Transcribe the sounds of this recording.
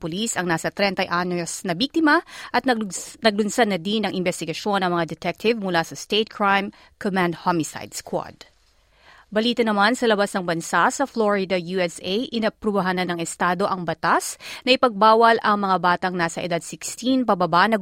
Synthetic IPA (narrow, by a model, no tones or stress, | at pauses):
pʊlisɐŋnaːsɐt̪ɾɛnt̪ɐjʔanosnɐbik̚t̪ɪmɐʔɐt̪̚nɐɡ̚lʊnsɐd̪nɐd̪inɐŋʔɪnbɛst̪ɪɡɐʃo̞nɐŋmɐŋad̪ɛt̪ɛk̚t̪ʰɪvmʊlasɐst̪eɪt̪̚kʰɹajm | kʰɔmãnd̪̚homɪsa̰jd̪skwo̰d̪̥ | bɐliːt̪ɐnɐmansɐlɐbasnɐŋbɐnsasɐfloɹɪd̪ɐjuɛsʔejʔɪnɐpɾʊbɐɦanɐnɐŋɛst̪aːd̪o̞ʔɐŋbɐt̪asnɐʔɪpɐɡ̚baːwɐlʔɐŋmɐŋabaːt̪ɐŋnaːsɐʔɛd̪ad̪sɪkst̪inpɐbɐbaʔnɐ